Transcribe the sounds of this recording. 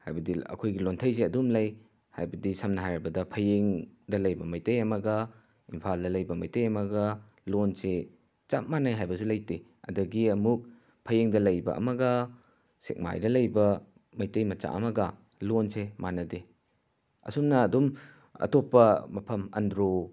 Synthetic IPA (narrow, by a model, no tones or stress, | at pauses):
ha̰jbɐdiɐ̰kʰojɡilontʰɐjseɐdumlɐj | ha̰jbɐdisɐmnɐɦajɾɐbɐdɐpʰɐjeŋdɐlɐjbɐmɐjtɐjɐmɐɡɐ | impʰaldɐlɐjbɐmɐjtɐjɐmɐɡɐ | lonse | t͡ʃap̚manɐjɦajbɐsulɐjte | ɐ̰dɐɡiɐmuk̚ | pʰɐjeŋdɐlɐjbɐ̰ʔɐ̰mɐɡɐ | sek̚ma̰jdɐlɐjbɐ | mɐjtɐjmɐt͡ʃa̰ʔɐ̰mɐɡɐ | lonsemanɐde | ɐ̰sumnɐːdum | ɐ̰topːɐmɐpʰɐmɐ̰ndɾo